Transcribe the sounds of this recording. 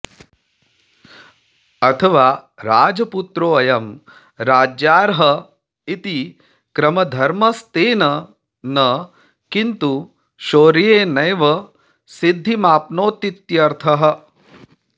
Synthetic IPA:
ɐt̪ʰɐʋaːɾaːd͡ʒɐput̪ɾoːɐjɐm | ɾaːd͡ʒjaːɾɦɐ | it̪i | kɾɐmɐd̪ʱɐɾmɐst̪eːnɐ | nɐ | kint̪u | ʃoːɾijeːnɐjʋɐ | sid̪ʱːimaːpnoːt̪it̪jɐɾt̪ʰɐɦɐ̆

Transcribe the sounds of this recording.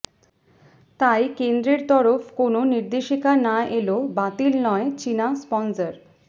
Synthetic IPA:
t̪ajkend̪ɾeɾt̪ɔɾofkononiɾd̪eʃikanaʔelobat̪ilnɔet͡ɕinaspɔnsəɾ

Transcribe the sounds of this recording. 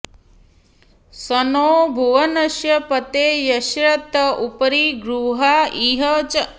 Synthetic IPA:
sɐnoːbʱuʋɐnɐʃjɐpɐt̪eːjɐʃɾɐt̪ɐʔupɐɾiɡɾuːɦaiɦɐt͡ʃ

